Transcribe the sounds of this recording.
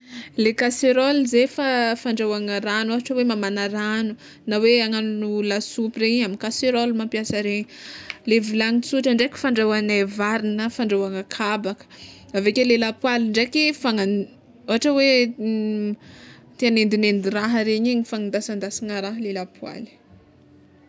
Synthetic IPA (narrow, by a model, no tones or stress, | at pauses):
lekaseɾolizefafaɳɖ͡ʐawaŋəɾanoɦaʈ͡ʂəwemamanaɾanu | naweaŋannulasupireɲiaminkaseɾolmampiasəɾeɲilevilaŋit͡suʈ͡ʂəɳɖ͡ʐeki̥faɳɖ͡ʐawanavaɾinəfaɳɖ͡ʐawaŋakʰabakə̥avekelelapwalɳɖ͡ʐekifaŋa | oɦaʈ͡ʂəwe | t̪ianend̪inend̪iraɦəɾeɲiɲifaŋind̪asand̪asiŋaɾaɦlelapʰwa̰li̥